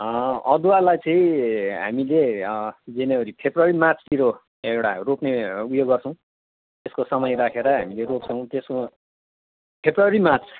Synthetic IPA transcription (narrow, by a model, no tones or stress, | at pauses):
ʌd̪ualajt͡sʌĩɦa̰mile | d͡zenewʌɾipʰebruaɾimart͡sʰt̪iɾo | ewʈa̰ropneujoɡʌrt͡sʰʌw̃ | t̪eskosʌmʌjɾakʰeɾʌɦa̰mileɾop̚t͡sʰʌw̃t̪esko | pʰebruʌɾimat͡sʰ